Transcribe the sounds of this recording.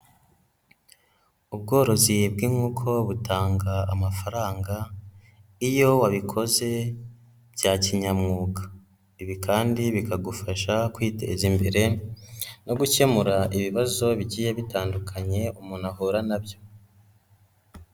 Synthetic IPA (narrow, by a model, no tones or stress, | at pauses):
ubɡo̞ːɾo̞zibɡimŋuːkʰo̞βutʰaːŋɡaːmafaɾaːŋɡa | ijo̞waβikʰo̞ze̞ | bɟaːciɲamŋuːkḁ | iβikaːndiβikaɡufaʃakwiːte̞̰zimbeɾe̞ | no̞ɡuce̞muɾaʔiβiβazo̞βiɟiːjeβitaːndukʰaɲe̞umunahoɾanabjo̞